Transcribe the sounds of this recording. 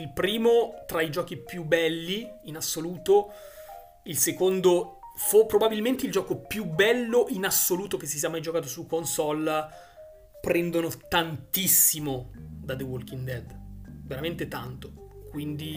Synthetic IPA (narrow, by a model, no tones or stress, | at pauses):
ilpɾiːmot̪ɾaid͡ʒɔːk̟ipjubːɛlːiinasːoluːt̪o | ilsekond̪ofupːɾobabilment̪eild͡ʒɔːkopjubɛlːoʔinasːoluːt̪ok̟es̬ːisiamajd͡ʒokaːt̪̬osukːonsɔl | pɾɛnd̪onot̪ant̪isːimod̪ad̪ewolkind̪ɛd̪veɾament̪et̪ant̪o̥kwind̪i